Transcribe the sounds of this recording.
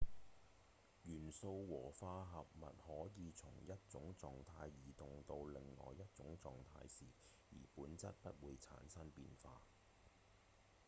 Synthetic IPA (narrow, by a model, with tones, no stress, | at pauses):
jyː˨˩nso˧wwɔː˨˩faː˧ɦɐ˨p̚mɐ̰˨t̚hɔː˨˥jiː˨˧t͡sʰʊ˨˩ŋjɐ˥t̚t͡sʊ˨˥ŋt͡sɔː˨ŋt̪ʰaː˧jːiː˨˩t̪ʊ˨ŋt̪o˧wlɪ˨ŋlɔ̰ː˨jɐ˥t̚t͡sʊ˨˥ŋt͡sɔ̰ː˨ŋt̪ʰa̰ː˧jsiː˨˩ | jḭː˨˩puː˨˥nt͡sɐ˥t̚pɐ˥t̚wuː˨˧jt͡sʰa̰ː˨˥nsɐ˥npiː˧nfa̰ː˧